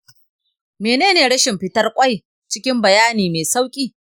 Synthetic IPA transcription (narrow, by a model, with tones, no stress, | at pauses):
meː˨neː˦neː˨ɽɐ˦ʃɪ˨mɸɪ˦tɐ˦rkʷʼɐ˦j | t͡ʃɪ˦kʲɪ˦mbɐ˨jaː˦niː˨meː˨sa˦wkʲʼiː˨